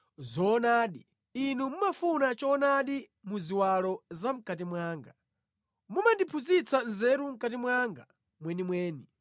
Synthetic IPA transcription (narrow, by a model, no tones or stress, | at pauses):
zɔnaːɗi | inumumafunat͡ʃɔnaɗi | muziwalɔzam̩katimwaːŋɡa | mumandipʰuzit͡sʰanzɛɾum̩katimwaŋɡa | mwɛnimwɛːni